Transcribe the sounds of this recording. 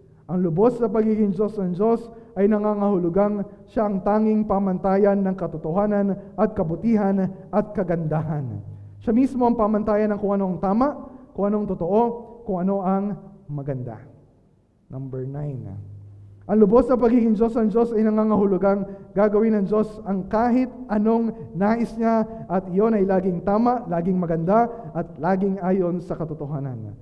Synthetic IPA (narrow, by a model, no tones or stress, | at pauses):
ʔɐŋlʊbo̞snɐpɐɡiːɡɪŋd͡ʒo̞snɐŋd͡ʒo̞sʔɐjnɐŋaːŋɐhʊlʊɡaŋʃaʔɐŋt̪aːŋɪŋpamɐnt̪aːjɐnːɐŋkɐt̪ot̪ohaːnɐnʔɐt̪̚kɐbʊt̪iːɦɐnʔɐt̪̚kɐɡɐnd̪aɦɐn | ʃamismo̞ʔɐŋpamɐnt̪aːjɐnɐŋkʊŋʔɐno̞ʔɐŋt̪aːmɐʔkʊŋʔɐnoɐŋt̪ʊt̪oʔo̞kʊŋʔɐno̞ʔɐŋmɐɡɐnd̪a̰ | nʔɐmbɛɹnajn | ʔɐŋlʊbo̞snɐpɐɡiːɡɪŋd͡ʒo̞snɐŋd͡ʒo̞sɐjnɐŋaːŋɐhʊlʊɡaŋɡaːɡɐwinɐŋd͡ʒo̞sɐŋkaːhɪt̪̚ʔɐno̞ŋnaːʔɪsɲaʔɐt̪̚ʔɪjo̞nɐjlaːɡɪŋt̪aːmɐʔlaːɡɪŋmɐɡɐnd̪aʔɐt̪̚laːɡɪŋaːjo̞nsɐkɐt̪ot̪oɦaːnɐ̰n